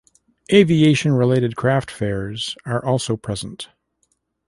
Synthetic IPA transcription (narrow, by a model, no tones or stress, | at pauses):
ʔeɪvieɪʃɨ̃nɹɪleɪɾɨd̚kʰɹ̥æftfɛɹzə˞ʔɔlˠsoʊpʰɹ̥ɛzə̃n̩t